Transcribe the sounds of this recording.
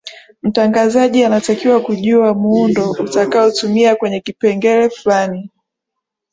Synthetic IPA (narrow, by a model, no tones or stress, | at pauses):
m̩taŋɡazaʄianatakiwakuʄuamuundɔutakaɔtumiakwɛɲɛkipɛŋɡɛɾɛflani